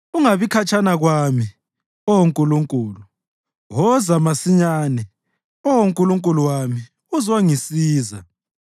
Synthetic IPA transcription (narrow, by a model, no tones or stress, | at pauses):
uŋaβikʰat͡ʃʰanaɣwami | ɔwoŋkʼuluŋkʼuːlu | ɣɔzamasiɲaːnɛ | ɔwoŋkʼuluŋkʼuluwami | uzwaŋisiːza̰